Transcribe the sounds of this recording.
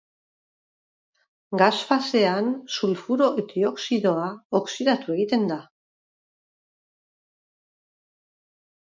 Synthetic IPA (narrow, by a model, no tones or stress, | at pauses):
ɡasfase̞ansulfuɾo̞ʔet̪io̞ksiðo̞aoksiðat̪ue̞ɣ̞it̪e̞nd̪a